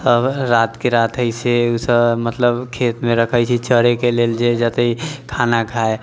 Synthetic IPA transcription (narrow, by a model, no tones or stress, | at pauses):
səbɾaːt̪keɾaːt̪ʰəiseʊsəbmət̪ləbkʰeːt̪mẽɾəkʰəjt͡ʃʰit͡ʃəɾekeleld͡ʒed͡ʒət̪əikʰaːnakʰae